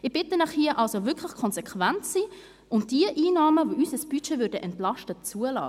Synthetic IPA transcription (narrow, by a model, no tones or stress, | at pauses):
ɪb̥ɪtənaχhiəʔɑlsovʏkʰlɪχkʰɔnsɛkʰvæntsiː | ʊmd̥iəʔiːnɑːməvoʔysəsb̥yt͡ʃeːvʏɾdəʔɛntlɑʃtət͡suəlɑ̰ː